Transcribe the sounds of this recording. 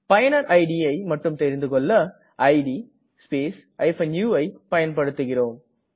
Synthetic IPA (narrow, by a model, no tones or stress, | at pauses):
pɐjɐnɐɾʔɐɪɖiɐɪmɐʈːɯmt̪ɛɾɪnd̪ɯkɔɭːɐ | ʔɐɪɖi | speːs | ʔɐɪfɐnjuːɐɪpɐjɐnpɐɽɯt̪ːɯɣɪroːm